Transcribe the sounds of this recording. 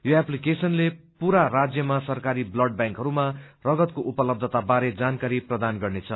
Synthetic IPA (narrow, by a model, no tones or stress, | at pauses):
joaplikesʌnlepuɾarad͡zjʌmasʌrkaɾiblʌɖ̚bãŋkɦʌɾumarʌɡʌt̪koʔupʌlʌb̚d̪ʱʌt̪abaɾed͡zankaɾiprʌd̪anɡʌrnet͡sʰʌ